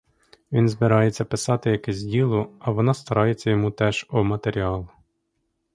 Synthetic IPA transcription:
ʋʲinzbɪɾɑjet͡sʲːɐpɪsɑt̪ɪjɐkɛzʲdʲilˠʊɐʋɔnɑst̪ɐɾʔɑjet͡sʲːɐjɔmut̪ɛʒɔmɐt̪eɾʲiɑlˠʊ

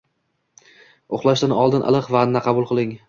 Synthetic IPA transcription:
oχlˠaʃd̪anɒlˠd̪ɪnʔa̰lˠɨqvaːnːaqʰɑbʊlˠqʰɨlˠɪŋ

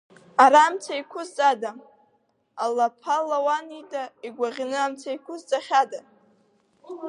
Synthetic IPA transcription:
aɾaːmt͡sʰaikʷʰʊzt͡sʼada | alapʰalawanitʼaiɡʷaʁʲnɨamt͡sʰaikʷʰʊzt͡sʼaχʲada

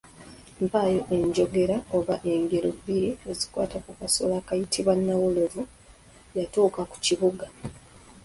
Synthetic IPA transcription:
mpajo̞ʔe̞ɲɟo̞ɡe̞ɾaoβaʔe̞ŋɡe̞ɾobiɾeezikwa̰ːtakukaso̰laːkajitʰiβwanːawulovu | jatuːkaku̥ciβuɡa

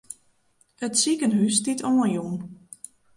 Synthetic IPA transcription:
ətsikənɦystitʰɔːənjun

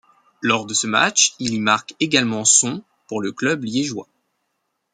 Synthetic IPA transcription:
lɔʁd̪əsəma̰t͡ʃilimaʁkeɡalmɑ̃sɔ̃ | puʁləklœbljeʒwa̰

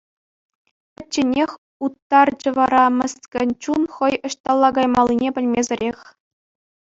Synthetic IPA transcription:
ɘ̆t͡ɕːɘ̆nʲexʲ | ut̪ːɑrd͡ʑɤ̆ʋɑɾɑmʲɘ̆st̪ʲkʲɘ̆nʲt͡ɕunχɤ̆jɤ̆ɕt̪ɑlˠːɑɡɑjmɑlˠʲːinʲepʲɘ̆lʲmʲezʲɘ̆ɾʲexʲ

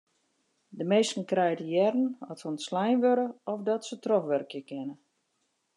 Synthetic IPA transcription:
dəmeːstn̩krɛjdəjɛɾn̩ɔtsənslɛjnʋøɾəɔfdɔtsətrɔfʋɛrkjəkɪnə

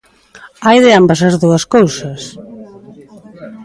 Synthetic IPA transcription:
ajðɪambɐsɐzðuɐskowsɐs

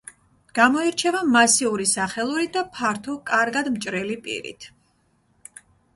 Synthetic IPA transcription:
ɡ̥amɔiɾt͡ʃʰɛvamasiuɾisaχɛlˠuɾid̪apʰaɾt̪ʰɔkʼaɾɡad̪mt͡ʃʼɾɛlipʼḭɾḭt̪ʰ

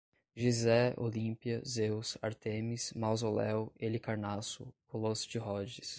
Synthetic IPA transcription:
ʒizɛo̰lĩpiɐzewsa̰ɾt̪ẽmismawzolɛwelɪkaɾnasʊ̰kolosʊd͡ʒɪɦɔd͡ʒɪs

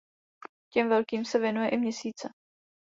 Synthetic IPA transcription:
cɛmvɛlkiːmsɛvjɛnujɛʔɪmɲɛsiːt͡sɛ

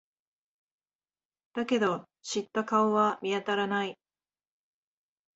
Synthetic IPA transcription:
d̪̥ake̞d̪o̞ | ɕit̪ːakaoβamʲiat̪aɾanai

